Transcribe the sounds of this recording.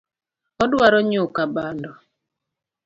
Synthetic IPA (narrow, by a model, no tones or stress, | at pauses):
ɔdwaɾɔɲokabandɔ